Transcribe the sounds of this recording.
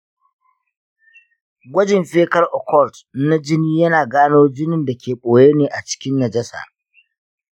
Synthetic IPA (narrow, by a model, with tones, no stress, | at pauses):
ɡʷɐ˦d͡ʒɪ˨mɸeː˦kɐ˦rʔɔ˨kɔ˦˨ltna˦d͡ʒɪ˦niː˦jɐ˦naː˨ɡaː˦noː˦d͡ʒɪ˦nɪ˨nda˨kʲeː˨ɓoː˨jeː˦neː˨ʔa˨t͡ʃɪ̥˦kʲɪ˦nːɐ˨d͡ʒɐ˦sa̰ː˨